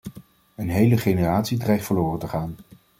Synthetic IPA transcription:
ənɦejləχejnəraːtsidrɛjχtfəlʊːrəntəχaːn

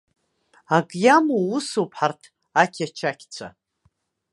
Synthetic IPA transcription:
aɡʼjamuusopʰħartʰ | akʲʰat͡ʃʰakʲʰt͡sʷʰa̰

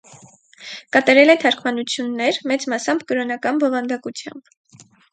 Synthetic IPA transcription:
kɑt̪ɑɾɛlɛt̪ʰɑɾkʰmɑnut͡sʰjunːɛɾmɛt͡smɑsɑmbkəɾɔnɑkɑnbɔvɑnd̪ɑkut͡sʰjɑ̰mb̥

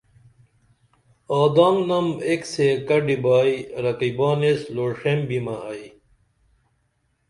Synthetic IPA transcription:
oːd̪aːmnɐmeksekɐɖibaːiɾɐkibaːnesloːʂembimɐɐi

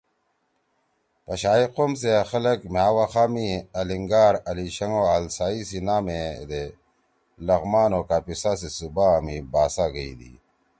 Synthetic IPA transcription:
pɐɕaːiqoms̬exɐlɐkmjaːwaxaːmiɐliŋɡaːɾɐliɕɐŋoːaːlsaːisinaːmed̪e | lɐɣmaːnoːkaːpisaːs̬isubaːmibaːsaːɡɐḭd̪ḭ

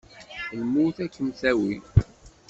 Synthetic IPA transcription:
lmuθækːəmθæwi

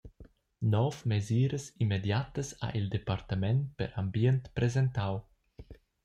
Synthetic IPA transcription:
nɔvmeziːɾəsimːed̪jat̪əsa̰ʔild̪epart̪amɛnpḛɾʔambjɛnt̪pɾezent̪aw

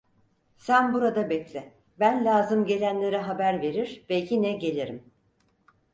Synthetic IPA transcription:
sænbuɾad̪abɛclʲɪ | bænlʲaːzɯmɟe̞lʲænlʲe̞ɾɛɦabæɾve̞ɾiɾbɛjinɛɟe̞lʲiɾim

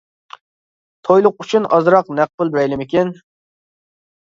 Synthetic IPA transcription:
t̪ʰojlˠʊqyt͡ʃʰynʔɑzɾɑqnæq̚pʊlˠbɛjlɪmɪkʲin

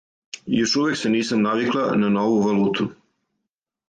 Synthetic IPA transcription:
jo̞ʃuʋekseniːsamnaʋiklˠananoʋuʋaluːt̪ʰu

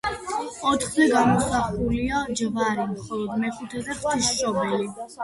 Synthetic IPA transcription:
ɔt̪ʰχzɛɡamɔsaχuliad͡ʒvaɾimχɔlˠɔd̪mɛχut̪ʰɛzɛχt̪ʰisʃɔbɛli

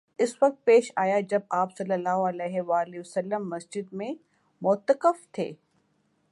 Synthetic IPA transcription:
ɪswɐk̚t̪̚peːʃaːjad͡ʒɐb̚aːpsɐlːəlːaːɦoɐleːɦeʋaːliəsəlːəmːɐsd͡ʒɪd̪̚mẽ | mʊt̪əkəft̪ʰḛː

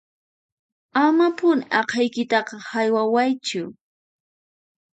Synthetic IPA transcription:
amapʊnɪʔɑqʰɑjkɪt̪ɑqɑhajwawajt͡ʃʊ

